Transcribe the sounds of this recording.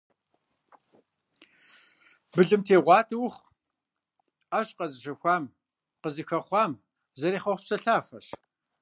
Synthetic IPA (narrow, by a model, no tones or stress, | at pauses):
bɨɮɨmtʰeːʁʷɑːtʰʼɨwχ | aːɕʼqɐzɨɕɐxʷɑːm | qəzɨxɐχʷɑːm | zɐɾiːχɐχʷpsɐɬaːfɐ̰ɕ